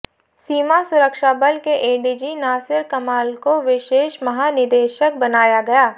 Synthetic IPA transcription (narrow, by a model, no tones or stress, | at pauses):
siːmasʊɾəkʃabəlkeʔeːɖiːd͡ʒinaːsɪɾkɐmaːlkoʋɪʃeːʃmɐɦaːnɪd̪eːʃək̚bɐnaːjaɡɐjaː